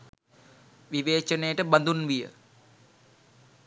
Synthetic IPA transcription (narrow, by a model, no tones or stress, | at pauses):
ʋiʋeːt͡ʃənejəʈəbɐnd̪unʋijə̰